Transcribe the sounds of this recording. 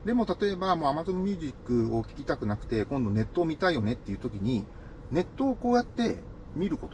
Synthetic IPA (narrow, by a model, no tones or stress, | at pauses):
d̪e̞mo̞t̪at̪o̞e̞bamo̞ːamazo̞mmʲjɨːʑikːɯ̟o̞kʲi̥kʲi̥t̪akɯ̟nakɯ̟̥t̪e̞kõ̞nd̪o̞ne̞t̪ːo̞ːmʲit̪aijo̞ne̞t̪ːe̞iɯ̟ːt̪o̞kʲiɲ̟i | ne̞t̪ːo̞ːko̞ːjat̪ːe̞ | mʲiɾɯ̟ko̞t̪o